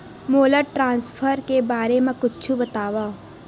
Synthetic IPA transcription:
moləʈɾãːnsfʰəɾkebaːɾemãkʊtːt͡ʃʰũbət̪aːʋa

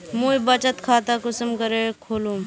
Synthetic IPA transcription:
mũibət͡ʃət̪kʰaːt̪akʊsəmkəɾekʰoːlũ

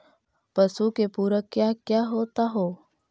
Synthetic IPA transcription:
pəsukepuːɾəkːjakjaɦoːt̪aɦoː

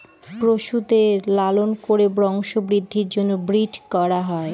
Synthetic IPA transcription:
pɾoʃud̪elalonkoɾebɾɔŋʃobɾid̪ʱːiɾd͡ʑonːobɾid͡ʑkɔɾaɦɔe

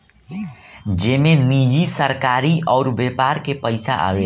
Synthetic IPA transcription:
d͡ʒeːmenid͡ʒisəɾkaɾiɔʊɾbepaːɾkepəɪsa̰ʔa̰we

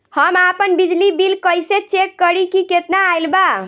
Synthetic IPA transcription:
həmapənbid͡ʒlibilkəjset͡ʃekːəɾikiket̪naːjlba

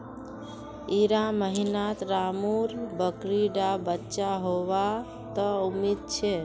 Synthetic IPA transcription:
iɾaməɦinat̪ɾamuɾbəkɾiɖabətːt͡ʃaɦoʋa | t̪ɔumid̪̚t͡ʃʰe

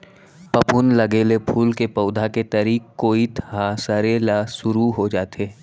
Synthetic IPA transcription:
pɐpʊnlɐɡeːlepʰuːlkepɐʊd̪ʱaket̪ɐɾiːkːoːit̪ʰɦasɐɾeːlasʊɾuɦod͡ʒaːt̪eː

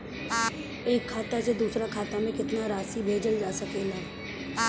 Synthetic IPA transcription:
eːkʰːaːt̪ased̪uːsɾakʰaːt̪amẽkɪt̪naɾaːsibʱeːd͡ʒəld͡ʒaːsəkelaː

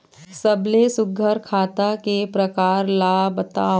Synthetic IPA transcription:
səblesʊɡʱəɾkʰaːt̪akepɾəkaːɾlaːbət̪aː

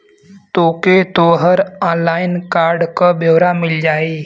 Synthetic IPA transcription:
t̪oːket̪oːɦəɾãːlaːɪnkaːɾɖkaboːʋɾamɪld͡ʒaːeː

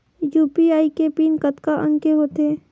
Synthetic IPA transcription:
juːpiaːikepiːnkət̪kaʔə̰̃ŋkeɦoːt̪eː

